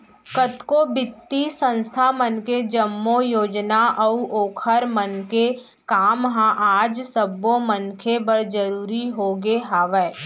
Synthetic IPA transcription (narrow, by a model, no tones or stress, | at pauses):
kət̪kobɪt̪ːisə̃nst̪ʰamənked͡ʒəmːojoːd͡ʒnaʔəuʔoːkʰəɾmənke | kaːmɦãʔaːd͡ʒsəbːomənkʰebəɾd͡ʒəɾuːɾiɦoɡeɦaːʋɛː